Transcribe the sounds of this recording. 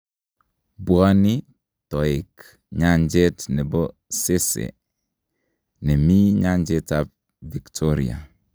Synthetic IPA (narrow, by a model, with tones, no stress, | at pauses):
bwa˦ni˦ | to˨i˨k | ɲa˦nd͡ʒe˦tne˨bo˦ | se˦sḛ˨ | ne˨mi˦ɲa˦nd͡ʒe˦ta˦p̚ | vi˨ktʰo˦ɾḭ˨a̰˨